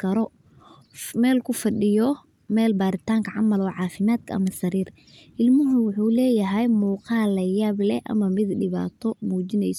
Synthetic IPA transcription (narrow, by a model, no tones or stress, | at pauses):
kʰɐɾɔ | mɛːlkʰʊfɐɗɪjɔ | mɛːlbaːɾɪt̪ʰaːŋkʰɐʕɑ̰mɐlɔːʕɑːfɪmaːd̪kʰɐʔɐ̰mɐsɐɾiːr | ʔɪlmʊɦʊwʊħuːlɛːjɐɦɛjmuːqɑːlɐjaːblɛ̰ʔɐ̰mɐmɪd̪ɖɪβa̰ːt̪ʰɔmuːt͡ʃɪnɛjsɔ